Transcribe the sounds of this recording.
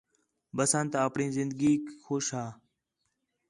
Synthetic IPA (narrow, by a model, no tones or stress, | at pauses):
bəsãːnt̪aːəpɳĩːzɪnd̪əɡiːkxoːʃaː